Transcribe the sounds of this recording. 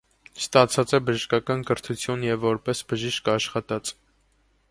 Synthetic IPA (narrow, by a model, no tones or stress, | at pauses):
st̪ɑt͡sʰɑt͡sɛbəʒəʃkɑkɑnkəɾt̪ʰut͡sʰjunjɛvːɔɾpɛsbəʒiʃkɑʃχɑt̪ɑt͡s